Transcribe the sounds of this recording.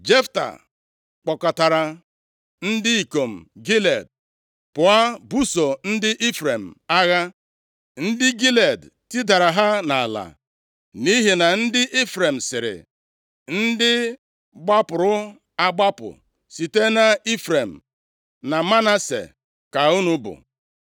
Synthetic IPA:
d͡ʒe˦fta̰˨ | k͡pɔ˨ka˨ta˨ɾa˨ | n̩˦dɪ˦i˨ko˨m̩˨ɡi˦le˨d̚ | pʊ˨a˦bu˦so˨n̩˦dɪ˦ʔi˦fɾe˨m̩˨a˦ɣa˦ | n̩˦dɪ˦ɡi˦le˨d | ti˦da˨ɾa˨ɦa˦na˨a˨la̰˨ | ni˦ɦe˨na˨n̩˦dɪ˦ʔi˦fɾe˨m̩˨sɪ˨ɾɪ̰˨ | n̩˦dɪ˦ | ɡ͡ba˦pʊ˨ɾʊ˦ | a˦ɡ͡ba˦pʊ̰˨ | si˨te˦na˨i˦fɾe˨m̩˨ | na˨ma˦na˦sḛ˨ | ka˨u˦nu˦bʊ̰˨

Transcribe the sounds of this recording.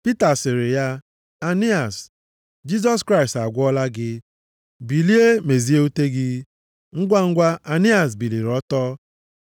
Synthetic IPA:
pi˦ta˨sɪ˨ɾɪ˨ja˦ | a˨ni˦a˨s | d͡ʒi˦z̬ɔ˦skɾa˦ɪ˨sta˨ɡʷɔ˦la˦ɡɪ˦ | bi˨li˦e˦me˨zi˦e˦u˦te˦ɡɪ˦ | ŋ̩˦ɡʷa˦ŋ̩˦ɡʷa˦ʔa˨ni˦a˨s̬bi˨li˨ɾɔ˦tɔ˦

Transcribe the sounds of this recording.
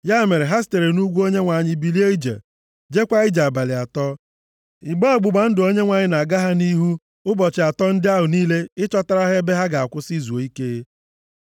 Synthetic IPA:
ja˦˨me˨ɾe˨ɦa˦s̬te˨ɾe˨nu˦ɡʷu˦o˦ɲe˦ŋʷa˨ɲɪ˦bi˨li˦e˦i˦d͡ʒa̰˨ | d͡ʒe˦kʷa˦ɪ˦d͡ʒa˨ba˨lɪ˨a˨tɔ˦ | ɪ˨ɡ͡ba˦˨ɡ͡bʊ˨ɡ͡ba˨n̩˦dʊ˨o˦ɲe˦ŋʷa˨ɲɪ˦na˨ɡa˦ɦa˦ni˦ɦu˦ | ʊ˦bɔ˨t͡ʃɪ˨a˨tɔ˦n̩˦dɪ˦a˦ɦʊ˨niː˦le˦ɪ˦t͡ʃɔ˦ta˦ɾa˦ɦe˦be˦ɦa˦ɡa˨a˨kʷʊ˦si˦zu˨o˨i˦ke˦

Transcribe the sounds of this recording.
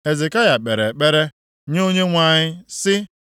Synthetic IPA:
e˨zɪ˨ka˦ja˨k͡pe˨ɾe˨k͡pe˦ɾe˦ | ɲ˦o˦ɲe˦ŋʷa˦˨ɲɪ˦sɪ˦

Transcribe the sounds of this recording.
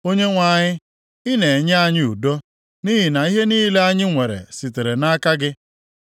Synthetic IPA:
o˦ɲe˦ŋʷa˦˨ɲɪ˦ | ɪ˦ne˨e˨ɲ˦a˦ɲɪ˦u˨do˦ | ni˦ɦi˨na˨i˦ɦe˦niː˦le˦a˦ɲɪ˦ŋʷe˨ɾḛ˨si˨te˨ɾe˨na˦ka˦ɡɪ˦

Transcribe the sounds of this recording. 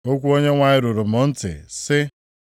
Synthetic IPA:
o˦kʷu˦o˦ɲe˦ŋʷa˦ɲɪ˦ɾʊ˨ɾʊ˨mʊ˨n̩˦tɪ̰˨sɪ˦

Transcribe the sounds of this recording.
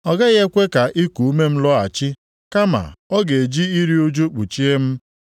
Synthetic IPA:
ɔ˨ɡa˦ɣe˦kʷe˦ka˨ʔi˦ku˨u˦me˦m̩˦lɔ˦a̰˨t͡ʃɪ˦ | ka˦ma̰˨ɔ˦ɡe˨e˨d͡ʒi˦i˦ɾi˦u˦d͡ʒu˦k͡pu˨t͡ʃi˦e˦m̩˦

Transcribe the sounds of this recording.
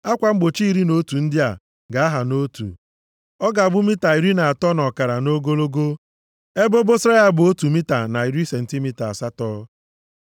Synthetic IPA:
a˦kʷa˨ŋ͡m̩˦ɡ͡bo˨t͡ʃi˦i˦ɾi˦no˦tu˨n̩˦dɪ˦a˨ | ɡa˨˦a˦ɦa˨no˦tṵ˨ | ɔ˦ɡa˨bʊ˦mi˦ta˨i˨ɾi˦na˨a˨tɔ˦nɔ˨ka˨ɾa˨no˦ɡo˦lo˦ɡo˦ | e˦bo˦bo˦sɾa˦ja˦bʊ˨o˦tu˨mi˦ta˨na˨i˨ɾi˦se˨n̩˨ti˦mi˦ta˨a˨sa˦tɔ˦

